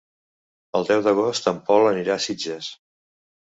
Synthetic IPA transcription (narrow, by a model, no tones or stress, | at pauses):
əlˠd̪ɛwðəɣ̞ost̪əmpɔləniɾasid͡ʒəs